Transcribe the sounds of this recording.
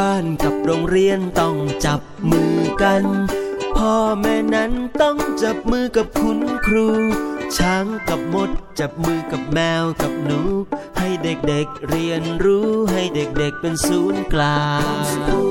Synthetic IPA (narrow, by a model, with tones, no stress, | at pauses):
aː˧˩nka˨˩p̚ɾoː˧ŋɾi˧ənt̪ɔ˧˩ŋt͡ɕa˨˩p̚mɯː˧ka˧npʰɔː˧mɛː˧˥na˦˥˨nt̪ɔ˥˩ŋt͡ɕa˨˩p̚mɯː˧ka˨˩p̚kʰu˧˥nkʰɾuː˧t͡ɕʰa˧˦˥ŋka˨˩p̚mo˧˩t̪̚t͡ɕa˨˩p̚mɯː˧ka˨˩p̚mɛː˧wka˨˩p̚nu˨˦k̚ha˥˩jde˨˩k̚de˨˩k̚ɾi˧ənɾuː˦˥ɦa˥˩jde˨˩k̚de˨˩k̚pe˧nsuː˨˦˥nklaː˧˩ŋŋ